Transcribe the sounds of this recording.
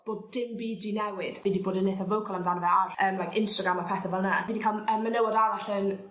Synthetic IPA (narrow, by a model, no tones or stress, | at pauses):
b̥oːd̚dɪmbiːdinɛwɪd̥vidiboːdəneθɔvəwkʰɔlˠanðanvɛarəːmlajkʰɪnstaɡɾamapʰɛθəvɛlˠnaviːdikʰalˠəmːənɛwadaɾaɬən